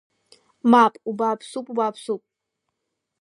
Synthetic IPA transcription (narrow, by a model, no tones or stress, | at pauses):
mapʼubaːpʰsupʼubaːpʰsupʼ